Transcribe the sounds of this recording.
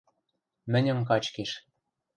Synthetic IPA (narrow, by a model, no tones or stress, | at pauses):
mɘ̆nʲə̆mk̬ɑt͡ɕkeʃ